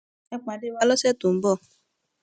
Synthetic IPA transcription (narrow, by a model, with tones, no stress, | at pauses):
ɛ˦k͡pa˨dɪ˦wa˦lɔ˦se˦tu˨m̩˨bɔ˦˨